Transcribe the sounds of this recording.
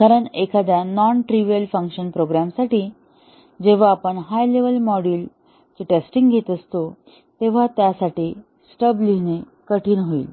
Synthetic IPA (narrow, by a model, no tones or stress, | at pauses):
kaɾəɳekʰad̪janɔnʈɾiʋijəlfəŋkɕənpɾoɡɾamsaʈiː | d͡ʑeʋ̤aːpəɳɦajleʋəlmɔɽiːl | t͡ɕeʈesʈiŋɡɡʱet̪əst̪o | t̪eʋ̤at̪jasaʈiː | sʈəbline | kəʈʰiːnɦoḭːl